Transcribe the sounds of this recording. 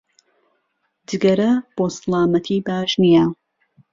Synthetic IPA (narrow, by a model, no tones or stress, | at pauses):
d͡ʒɨɡɐɾɐb̥oːsɨlˠaːmɐt̪ʰiːbaːʒnija